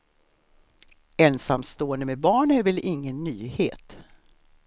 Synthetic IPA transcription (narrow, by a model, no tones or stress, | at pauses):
ɛnsamst̪oːənd̪əmɛbɑːɳæɾvɛlɪŋːənːyːheːt̪